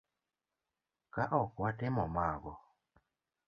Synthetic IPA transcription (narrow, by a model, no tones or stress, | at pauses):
kaʔɔkwatemɔmaːɡɔ